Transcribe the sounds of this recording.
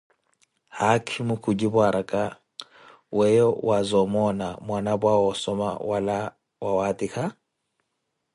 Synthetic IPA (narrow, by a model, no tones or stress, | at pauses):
hakʰimʊkʰud͡ʒibwaɾakʼa | wɛjɔwʔazɔmɔnamwanabwaɔsɔma̰wala | wawatʼikʰa